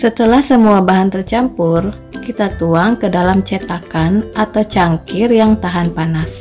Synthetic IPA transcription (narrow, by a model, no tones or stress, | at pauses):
sət̪əlahsəmuabaɦant̪ərt͡ʃampʊr | kit̪at̪uaŋkədalamt͡ʃɛt̪akanʔat̪awt͡ʃaŋkɪrjaŋt̪aɦanpanas